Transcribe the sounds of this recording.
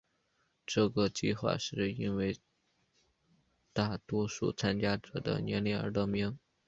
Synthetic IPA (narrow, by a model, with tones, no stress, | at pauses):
ʈ͡ʂɤ˥˩ɡə˩t͡ɕi˥˧xwa̰˥˧ʂɻ̩˥˩i˥nwe˥˧ɪ | t̪a˥˩t̪wɔ˥ʂṵ˥˩t͡sʰa˥nt͡ɕja˥ʈ͡ʂɤ̰˨˩d̪ə̰˧˦njɛ˧˥nlɛ˧˥˩ə̰˞˧˥lɤ˥˩mi˧˥ŋ